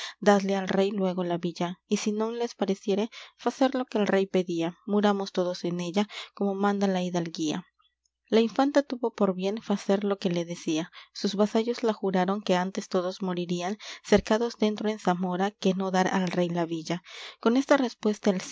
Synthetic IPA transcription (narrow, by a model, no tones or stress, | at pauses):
d̪aðle̞alre̞jlwe̞ɣo̞laβiʝaisino̞ŋle̞spaɾe̞sje̞ɾe̞faseɾlo̞keːlre̞jpe̞ðiamuɾamo̞st̪o̞ðo̞se̞ne̞ʝako̞mo̞mãnd̪alaiðalɡia̰ | laiɱfant̪at̪uβo̞po̞ɾβje̞nfaseɾlo̞ke̞le̞ðe̞siasuzβasaʝo̞zlaxuɾaɾo̞ŋke̞ant̪e̞st̪o̞ðo̞zmo̞ɾiɾianse̞ɾkaðo̞zd̪e̞nt̪ɾo̞e̞nsamo̞ɾake̞no̞ðaɾalre̞jlaβiʝako̞ne̞st̪are̞spwe̞st̪aels